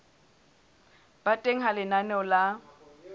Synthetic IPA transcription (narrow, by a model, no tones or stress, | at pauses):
b̥atʼeŋ̩ɦalɪnanɛɔla